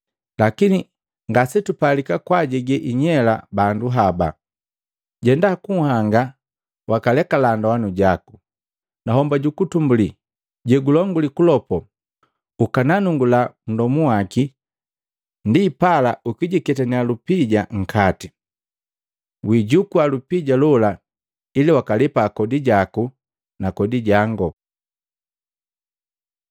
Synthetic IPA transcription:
lakini | ŋɡasitupalikakwaɟɛɡɛʔiɲɛla̰banduɦaba̰ | ɟɛndakuhaŋɡa | wakalɛkalandawanuɟaku | naɦɔmbaɟukutumbuli | ɟɛɡulɔŋɡulikulɔpɔ | ukananuŋɡulan̩dɔmuwaki | ndiːpalaʔukiɟikɛtanialupiɟaŋ̩kʰati | wiɟukualupiɟalɔla | iliwakalipaːkɔdiɟaku | nakɔdiɟaŋɡɔ

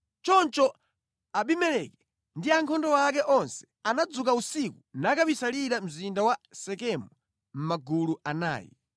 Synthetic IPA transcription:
t͡ʃɔnt͡ʃɔ | aɓimɛlɛkɛ | ndiaŋkʰɔndɔak̬ɛʔɔnsɛ̥ | anad͡zuk̬ausikunakapisaliɾam̩zindawasɛkɛmɔ | m̩maɡuluana̰ːjḭ

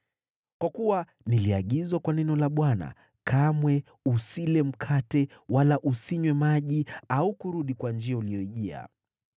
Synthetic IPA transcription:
kwakuwa | niliaɠizwakwanɛnɔlaɓwana̰ | kʰamwɛ | usilɛm̩kʰatɛwalaʔusiɲwɛmaʄiaukuɾuɗikwand͡ʒiauliɔiʄia̰

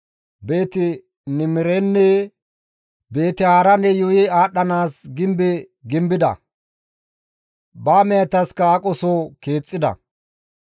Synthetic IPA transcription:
be̞ːt̪ɪ | nɪmɪɾenːɛ | be̞ːt̪ɪaːɾɐnːɛjʊjɪaːɗɐnaːsɡɪmbɪ | ɡɪmbɪd̪ɐ̰ | baːmɛjɐt̪ːɐskɐakʼɔsoːke̞ːt͡sʼːɪd̪ɐ̰

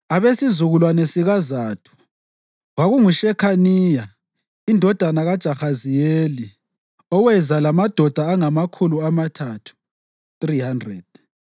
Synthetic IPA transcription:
aβesizuɣulwanesiɣazaːtʰu̥ | ɣaɣuŋuʃɛkʰaniːja | indʱɔd̥ʱanaɣad̥ʒ̥ʼʱaxazijeːli | ɔwɛzalamad̥ʱɔd̥ʱaːŋamakʰuluamatʰatʰu̥ | θrihandrɛ̰d̥̚

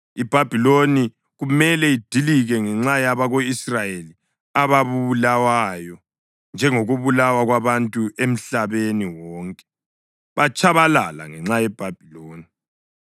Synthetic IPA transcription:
ib̥ʱab̥ʱiloni | ɣumɛlɛid̥ʱiliɣɛŋɛŋ͡ǁajaβaɣoisrajeli | aβaβuβulawajɔ | nd͡ʒʱɛŋoɣuβulawaɣwaβantʼuʔem̩ɬaβeniwɔːŋkʼɛ̥ | βat͡ʃʼʰaβalala̰ŋɛŋ͡ǁajɛb̥ʱab̥ʱiloːni

